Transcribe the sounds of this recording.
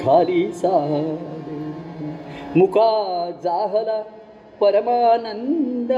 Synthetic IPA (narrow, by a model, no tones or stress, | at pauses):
ɡʰʱaːɾisaːɦɐd̪e | mukaːd͡zaːɦɐla | pɐɾɐmaːnɐnd̪ɐ